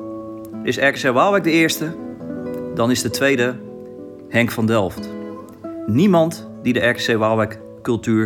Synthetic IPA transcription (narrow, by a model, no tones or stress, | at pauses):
ɪsɛɹkseʋalˠʋɛk̚dəɪːɹstə | dɔnɪzdətʋejdə | hɛŋkfɑndɛlˠft | nimɑnt | didəʔɛɹkseʋalˠʋɛk | kɵlˠtyː